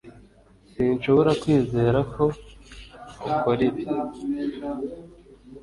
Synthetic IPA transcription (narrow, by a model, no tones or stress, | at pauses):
sinʃo̞βo̞ɾakwiːze̞ːɾakʰo̞ | ukoɾiβ